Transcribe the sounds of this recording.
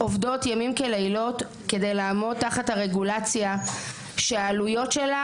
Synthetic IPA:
ovdo̞tjamimkeleilo̞t | ke̞de̞jlaːmo̞dtːaχathaʁeɡulat͡sja | ʃeaːlujo̞tʃela

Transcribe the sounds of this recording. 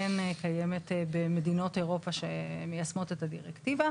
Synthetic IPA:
enkajemetbeme̞dino̞te̞ʁo̞paʃemejasmo̞te̞tadiʁektiva

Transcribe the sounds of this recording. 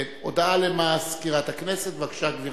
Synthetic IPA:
tod̪alemaskiʁat̪akneset̪vakʃaɡviʁ

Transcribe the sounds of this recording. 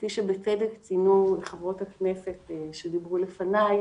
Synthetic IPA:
tiʃebet͡sedekt͡sinuleχavʁo̞thaknesetʃed̪ibʁulefanaj

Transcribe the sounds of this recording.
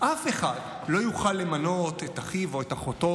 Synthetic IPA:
ʔafe̞χad | lo̞juχalːe̞mano̞tetaχivoetaχoto̞

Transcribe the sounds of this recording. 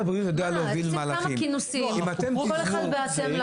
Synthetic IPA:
abʁiut̪jod̪ealeovilmaːlaχimkinusiimat̪emilalbeat

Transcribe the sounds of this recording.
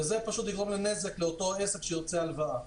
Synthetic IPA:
ezepaʃut̪liɡʁomlene̞ze̞kleot̪o̞aese̞kʃeiʁt͡sealvaa

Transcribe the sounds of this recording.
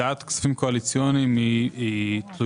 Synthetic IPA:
at̪ksḁfimkoalit͡sjonimiit̪lu

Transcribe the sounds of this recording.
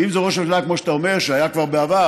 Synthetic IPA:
imzeʁo̞ʃaʃlakmoʃe̥t̪aome̞ʁʃeajakvaʁbeava

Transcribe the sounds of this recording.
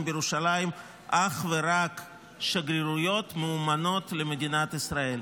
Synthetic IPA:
mbjeɾuʃalajim | ʔaχveɾak | ʃaɡɾiɾujo̞t̪meumano̞t̪lemed̪inat̪isɾae̞l

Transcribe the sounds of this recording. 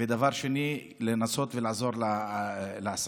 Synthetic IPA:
ed̪avaʁʃeni | lenaso̞t̪velaʕzo̞ʁlaleas

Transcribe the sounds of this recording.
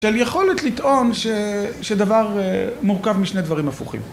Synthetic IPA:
ʃeljeχo̞let̪lit̪ʔo̞nʃeʃed̪avaʁmuʁkavmiʃned̪vaʁimafuχḭm

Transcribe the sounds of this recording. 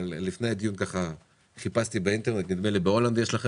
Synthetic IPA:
lifnejad̪ijunkaχa | χipast̪ibeint̪e̞ʁnet̪nid̪melibeo̞land̪jeʃlaχe

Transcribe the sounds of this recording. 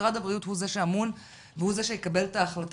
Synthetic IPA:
ʁad̪abʁijuthuzeʃeamun | vehuzeʃejekabe̞lt̪aːχlat

